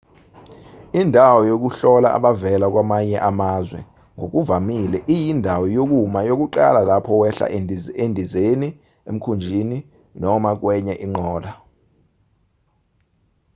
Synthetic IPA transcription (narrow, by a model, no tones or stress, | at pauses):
indʱawɔjok̬uɬɔla̰ʔa̰ɓavɛlak̬wamaɲɛʔamazwɛ̰ | ŋok̬uvamilɛʔijindʱawɔjok̬umajok̬uǃa̰lalapʰɔwɛɬa̰endʱizeni | em̩kʰund͡ʒʱini | nɔmak̬wɛɲɛʔiŋ͡ǃɔːla